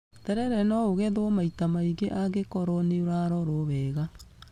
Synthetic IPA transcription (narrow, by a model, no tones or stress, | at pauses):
tɛɾɛɾɛnɔoɣɛðomaitamaiɡeʔaɡekɔɾɔneoɾaɾɔɾoβɛɣa